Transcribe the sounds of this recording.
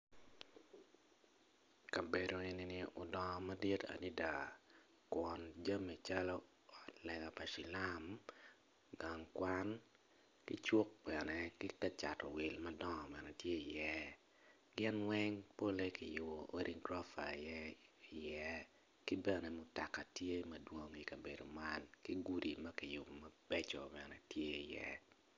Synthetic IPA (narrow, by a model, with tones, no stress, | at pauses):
ka˨be˨do˨i˨ni˦ni˦ʊ˨dɔ˨ŋɔ˨ma˦di˦ta̰˨ni˦da˨ | kwɔ˨nd͡ʒa˦mi˨t͡ʃa˦lɔ˦ | ɔ˨tlɛ˨ɡa˨pa˨ʃi˨la˦m | ɡa˨ŋkwa˦n | ki˦t͡ʃwo˦k̚bɛ˨nɛ˦ki˦ka˦t͡ʃa̰˨tɔ˨wɪ˨lmɐ˦dɔ˦ŋɔ˨bɛ˨nɛ˨tje˦i˨jɛ˦ | ɡɪ˦nwɛ˦ŋpo˦le˦ki˨jʊ˨bɔ˨ʔo˦ɾʔi˦ŋɡɾɔ˦fa̰˨jɛ˦i˨jɛ˦ | ki˦bɛ˨nɛ˨mʊ˨ta˨ka˨tje˦mɐdwo˨ŋi˨kɐ˨be˨do˨ma˦nki˦ɡu˦ɾi˨mɐ˦ki˨jʊ˨bɔ˨mɐ˨b̥ɛ˦t͡ʃɔ˨bɛ˨nɛ˨tje˦i˨jɛ̰˦